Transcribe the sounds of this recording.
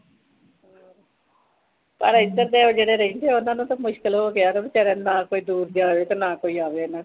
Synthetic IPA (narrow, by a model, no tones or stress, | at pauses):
pəɾɪd̪əɾd̪eːoːd͡ʒeːɽeːɾəĩːnt̪ʰeːʊnãːnũːt̪amʊʃkəlɦoːkɪaːɾoːbit͡ʃɛɾɛːnãːkoːiːd̪uːɾd̪aːʋeːt̪ãːnãːkoːiːaːʋeːnãː